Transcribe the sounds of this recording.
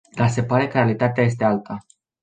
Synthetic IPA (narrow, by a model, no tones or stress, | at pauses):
d̪ase̞paɾe̞kəɾealit̪at̪eaje̞s̬t̪e̞alt̪ʰa